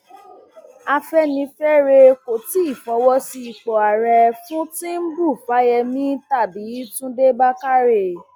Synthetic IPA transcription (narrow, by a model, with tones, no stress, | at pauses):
a˧fɛ˦nĩ˧fɛ˦ɾe˧ko˨ti˨˦i˦˨fɔ˨˦wɔ˦si˧i˨k͡pɔ˨a˨ɾɛ˧fũ˦tĩ˦n̩˦bu˦˨fa˨˦jɛ˧mĩ˦ta˦˨bi˨˦tũ˦de˦ba˦ka˦ɾe˧˨